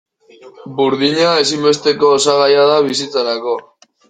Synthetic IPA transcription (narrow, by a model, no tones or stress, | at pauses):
buɾðiɲae̞simbe̞st̪e̞ko̞ːsaɣajaðaβisit͡saɾako̞